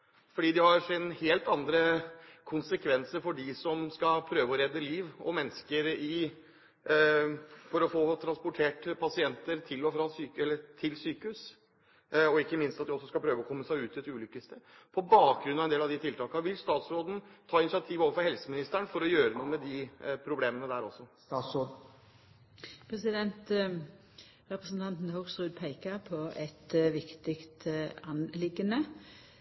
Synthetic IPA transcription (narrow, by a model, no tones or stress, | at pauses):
fɔɖiːd̪ɪhɑɾʂɪnheːlt̪ɑnd̪ɾəkʰʊnsəkʰʋɛnsəɾfɔɖɪsɔmskɑpʰɾøːʋəɔɾɛd̪ːəliːʋɔmɛnːəskəɾɪ | fɔɾɔfoːt̪ʰɾɑnspʊʈʰeːʈpʰɑsɪɛnt̪əɾt̪ʰɪlɔfɾɑsyːkɛlːət̪ʰɪlsyːkəhʉs | ɔɪkːəmɪnst̪ɑt̪̚d̪ɪɔsːɔskɑpʰɾøːʋəɔkʰɔmːəsæɪʉːt̪ʰːɪt̪ʉːlʏkːəst̪ə | pʰɔbɑːk̚ɡɾʉnːɑʋnd̪eːlɑʋd̪ɪt̪ʰɪlt̪ʰɑːkɑʋɪlst̪ɑːt̪sɾoːd̪n̩t̪ʰɑːɪnɪsɪɑt̪ʰiːʋoːʋəɾfɔɾhɛlsəmɪnɪst̪æɳfɔɾɔjøːɾənuːəmɛd̪ɪpʰɾʊbleːmənəd̪æɾɔsːɔ | pʰɾɛsɪd̪ɛnt̪ | ɾɛpɾəsn̩t̪ʰɑnt̪n̩hʊʁsʁʉːd̪̚pʰæɪkəpʰɔʔɛt̪ʋɪkt̪ɪkt̪ɑnlɪɡənə